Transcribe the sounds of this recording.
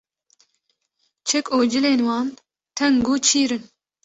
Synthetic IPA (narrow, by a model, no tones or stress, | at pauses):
t͡ʃʰɛkoːd͡ʒɨleːnwɑːn | t̪ʰɛŋɡuːt͡ʃʰiːɾɨn